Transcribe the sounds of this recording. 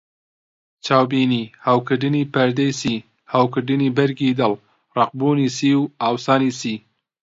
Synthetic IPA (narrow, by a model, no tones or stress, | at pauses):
t͡ʃaːwbiːniːhawkɨɖɨnipɐɾd̪ejsiː | hawkɨɖɨnibɐɾɡiːd̪ɐl | rɑq̚buːniːsiːwaːwsɑːnisiː